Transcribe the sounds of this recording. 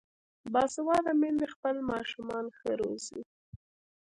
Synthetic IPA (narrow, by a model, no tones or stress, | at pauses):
bɑsɪwɑd̪amend̪expəlmɑʃumɑnxəɾozi